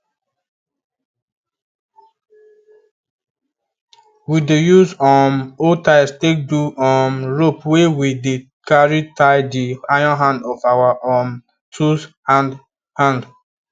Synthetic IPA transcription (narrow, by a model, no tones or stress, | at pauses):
widejuzɔmotaɪstek̚duɔmɹopwewidekaɹitʰaɪdiajɔ̃nɦãndɔfawaʔɔ̃m | tushãn | hãnd